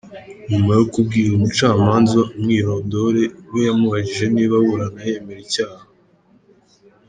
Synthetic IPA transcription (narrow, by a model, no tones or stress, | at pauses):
ɲumajokub̚ɡiːɾumut͡ʃaːmaːnzomŋiːɾo̞do̞ɾe̞wejamuβaɟiʒe̞niːβaβuɾanajeme̞ɾicaːha